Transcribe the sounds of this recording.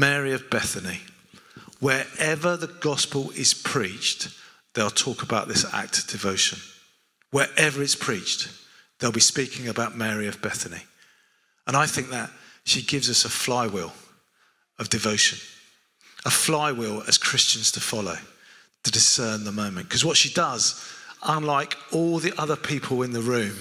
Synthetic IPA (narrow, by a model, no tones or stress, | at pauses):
mɛɹiəvbɛθəni | wə˞ɛvəðəɡɒspəlˠɪz̥pʰɹ̥iˑt͡ʃ | ðeɪlˠtʰɔˑkəbaʊʔ̪ðɪsa̰k̚td̥ɨvoʊʃə̃n | wəɹʔɛvə˞ɪtspʰɹ̥iˑt͡ʃ | ðeɪlˠbispiˑkɪ̃ŋəbaʊʔ̚mɛːɹiəvbɛθənḭ | ə̃ñaɪθɪ̃ŋk̚ðət̚ʃiɡɪvzʌsəflaɪwɪlˠ | əvdɨvoʊʃɨ̃n | əflaɪwɪlˠə̰z̥kʰɹ̥ɪst͡ʃɨ̃nz̥tʰəfɑloʊ | tʰədɪsɜːnðəmə̃ʊ̃mɨ̃nkʰʌzwʌtʃidʌzʔə̃nlaɪkɔlˠðiʔʌðə˞pʰiˑpʰəlˠɪ̃nðəɹʉ̃ːm